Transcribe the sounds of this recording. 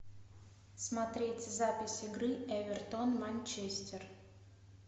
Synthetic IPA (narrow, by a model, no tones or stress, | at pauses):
smɐt̪ɾʲetʲzapʲɪsʲɪɡɾɨɛvʲɪrt̪onmanʲt͡ɕesʲtʲɪr